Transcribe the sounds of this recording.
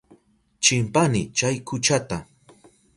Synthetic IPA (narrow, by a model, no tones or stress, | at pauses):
t͡ʃɪmpanɪt͡ʃajkʰʊt͡ʃat̪a